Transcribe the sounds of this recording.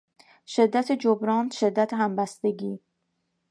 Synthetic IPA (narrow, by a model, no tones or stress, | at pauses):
ʃe̞d̪ːæt̪ʰed͡ʒobɾɒːnʃe̞d̪ːæt̪ʰehæmbæst̪e̞ɡiː